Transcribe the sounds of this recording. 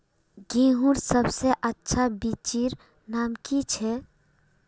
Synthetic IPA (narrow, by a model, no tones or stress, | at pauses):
ɡĩɦuɾsəbseʔətːʃʰabit͡ʃiɾ | naːmkit͡ʃʰɛ